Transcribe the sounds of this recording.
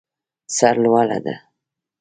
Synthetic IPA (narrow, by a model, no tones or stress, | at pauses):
saɾlwala̰d̪a̰